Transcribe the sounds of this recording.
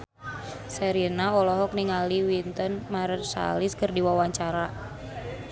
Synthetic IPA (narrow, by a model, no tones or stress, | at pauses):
sɛɾinaɔlɔɦɔk̚niŋaliwint̪ɔnmarsa̰lɪskərdiwawaɲt͡ʃaɾa